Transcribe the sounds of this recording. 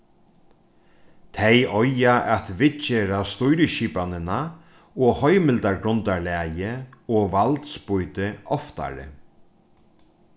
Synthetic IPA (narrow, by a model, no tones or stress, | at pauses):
t̪ʰejɔjaʔat̪vɪt͡ʃeːɾast̪ujɾɪʃiːpanɪna | ɔhɔjmɪlt̪aɾɡɾʊnt̪aɹlɛːjɪɔʋalt̪spʊjt̪ɪɔft̪a̰ɾɪ̰